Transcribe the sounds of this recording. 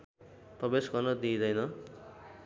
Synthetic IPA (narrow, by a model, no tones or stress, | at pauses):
prʌbesɡʌrnʌd̪id̪ʌjnʌ